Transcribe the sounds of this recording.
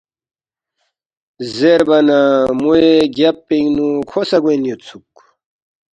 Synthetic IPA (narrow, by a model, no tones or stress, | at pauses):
zzeɾbɐnamueɡjapːeŋnukʰosɐɡenjot͡sʰuk